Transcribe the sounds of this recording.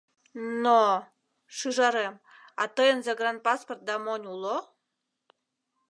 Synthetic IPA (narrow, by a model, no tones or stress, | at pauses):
no | ʃɯʒɑɾem | ɑ̰t̪əjənzeɡrɑnt̪̚pɑsport̪̚d̪ɑmonʲulo